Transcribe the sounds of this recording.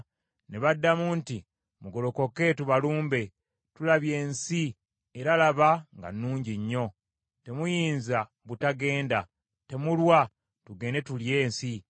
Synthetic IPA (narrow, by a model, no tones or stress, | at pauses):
neβadːamunti | muɡo̞lo̞ko̞ke̞tuβaluːmbe̞ | tulaβje̞ːnsi | eɾalaβaŋɡa̰nːuːɲɟiɲːo̞ | te̞mujiːnza | βutaɡe̞ːnda | te̞mulwa | tuɡe̞ːne̞tulje̞ːnsi